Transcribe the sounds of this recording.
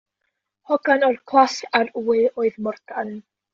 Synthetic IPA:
hɔɡanɔrkʰlˠasaruːɨoːɨðmɔrtʰan

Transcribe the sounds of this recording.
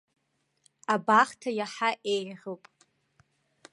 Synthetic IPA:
abaχtʰajaħaʔejʁopʼ

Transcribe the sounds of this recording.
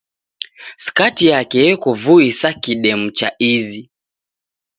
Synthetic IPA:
si̥katijakɛjɛkɔvuisakiɗɛm̩t͡ʃa̰ʔizi

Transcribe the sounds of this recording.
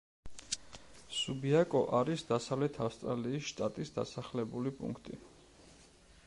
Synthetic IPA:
subiakʼɔʔaɾisd̪asavlɛt̪ʰafst̪ʼɾaliːsʃt̪ʼat̪ʼisd̪a̰saχlɛbulipʼṵŋkʰt̪ʼḭ

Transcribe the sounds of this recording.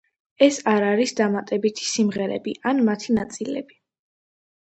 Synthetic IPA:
ɛsaɾaɾisd̪amat̪ʼɛbit̪ʰi̥simʁɛɾɛ̰biʔanmat̪ʰinat̪sʼilɛ̰bi

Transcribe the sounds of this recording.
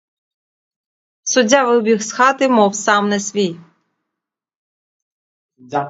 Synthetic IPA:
sʊdʲɑʋɪbʲixsxɑt̪ɪmɔwsɑmnɛsʋʲij

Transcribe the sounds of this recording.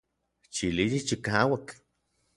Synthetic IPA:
t͡ʃilijit͡ʃikaːwak

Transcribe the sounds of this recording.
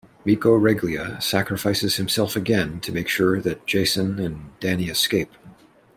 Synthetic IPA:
mikoʊɹɛɡliɨsækɹɨfaɪsɨz̥hɨ̃msɛlˠfɨɡɛ̃ntʰɨmeɪkʃʊɹðɨt̚d̥ʒ̥eɪsɨ̃nɨ̃nd̥æniɨskeɪp̚

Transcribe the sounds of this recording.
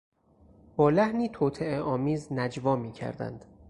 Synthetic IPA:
b̥ɒːlæhniːt̪ʰoːt̪ʰeeɒːmiːznæd͡ʒvɒːmiːcʰæ̰ɾd̪æ̰nd̪̥

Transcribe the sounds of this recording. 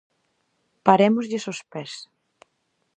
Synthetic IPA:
paɾemozʎɪsospɛs

